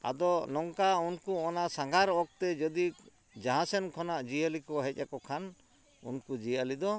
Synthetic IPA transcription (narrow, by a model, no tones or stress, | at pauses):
a̰d̪ɔnɔŋkaunkuɔnasaŋɡʱaɾɔk̚t̪ɛd͡ʒɔd̪ik | d͡ʒaɦãsɛnkʰɔnaʔd͡ʒijəlikɔɦɛc̚ˀa̰kɔkʰan | ṵnkud͡ʒiəlid̪ɔ